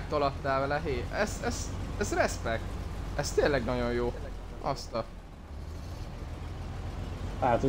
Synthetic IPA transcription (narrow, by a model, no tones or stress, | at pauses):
k̚t̪olɒt̪ːaːlvɛlɛɦeːɛsɛzɛzrɛspɛk̚t̪ɛst̪eːnlːɛɡnɒɟo̞jjoː | ʔɒst̪ɒ | aːt̪